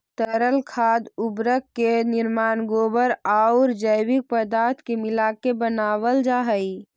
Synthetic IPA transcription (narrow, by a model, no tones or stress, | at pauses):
t̪əɾəlkʰaːd̪ʊbɾəkːenɪɾmaːnɡoːbəɾaʊɾd͡ʒəɪwɪk̚pəd̪aːɾt̪ʰkemɪlaːkebənaːwəld͡ʒaːɦəi